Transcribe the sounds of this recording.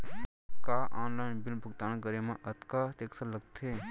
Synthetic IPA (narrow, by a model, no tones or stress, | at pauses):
kaːʔaːnlaːjnbɪlbʱəɡ̚t̪aːnkəɾemãʔɐt̪kaːt̪eːksələɡt̪ʰeː